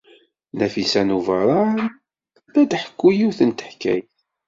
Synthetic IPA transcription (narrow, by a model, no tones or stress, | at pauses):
næfisænuvɑɾˤɑ | læd̪ħə̥kːujiwθənt̪ə̥ħkːæ̰j